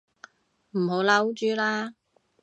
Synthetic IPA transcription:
m̩˨˩ho˨˧˥wlɐ˥wt͡ʃyː˨˥laː˥

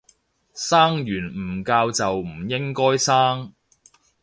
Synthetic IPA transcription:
saː˥ŋjyː˨˩nm̩˨˩kaː˧wt͡sɐ˨wm̩˨˩jɪ˥ŋkɔː˥jsaː˥ŋ

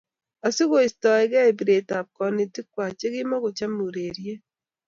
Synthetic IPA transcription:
a˨si˦ɣo˦i˨stɔ˨ɛ˨ɡɛ˦˨bi˨ɾe˨ta˨p̚kɔ˨ni˨ti˦kwa˨t͡ʃe˦ɣɪ˦mɔ˦ɣo˨t͡ʃa˦mu˨ɾe˨ɾje˦

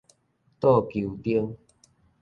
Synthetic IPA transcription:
t̪ɔ˥˧˨kju˨t̪i˦əŋ

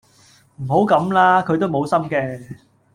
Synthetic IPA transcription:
m̩˨˩ho˨˥wkɐ˨˧˥mlaː˥kʰɵ˨˧ɥt̪o˥wmo˨˧wsɐ˥mkɛː˧

